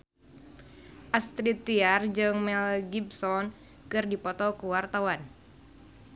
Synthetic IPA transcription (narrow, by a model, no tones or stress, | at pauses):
ʔast̪ɾit̪iard͡ʒɨŋmɛlɡibsɔn | kɨrdipɔt̪ɔkuwart̪awan